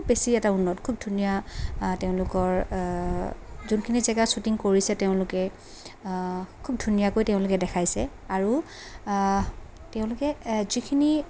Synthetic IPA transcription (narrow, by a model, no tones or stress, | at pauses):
bbesiɛtaunːɔtkʰub̚dʱunijateʊ̃lʊkɔɹ | zunkʰinizɛɡasutiŋkoɹisɛtɛʊ̃lʊkɛ | kʰub̚dʱunijakojtɛʊ̃lʊkɛdɛkʰajsɛ | aɹu | teʊ̃lʊkɛzikʰini